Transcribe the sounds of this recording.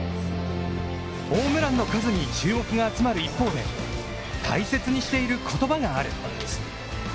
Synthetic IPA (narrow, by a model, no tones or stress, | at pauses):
o̞ːmɯ̟ɾãnːo̞kazɨɲ̟it͡ɕɨːmo̞kɯɡaːt͡sɨmaɾɯ̟ipːo̞ːd̪e̞ | t̪ʰa̰ise̞t͡sɨɲ̟iɕi̥t̪e̞iɾɯ̟kʰo̞t̪o̞baɡaaɾɯ̟̰tond̪esɨ̥